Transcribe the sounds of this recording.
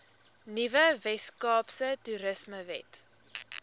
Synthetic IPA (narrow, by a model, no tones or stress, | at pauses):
nivəvɛskɑːpsətuɾəsməvɛ̰t